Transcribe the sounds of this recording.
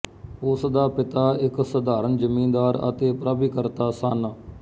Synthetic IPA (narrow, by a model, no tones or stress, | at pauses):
ʊsd̪aːpɪt̪aːɪksəd̪aːɾənd͡ʒəmĩːnd̪aːɾə̰t̪eːpɾaːbiːkəɾt̪aːsanː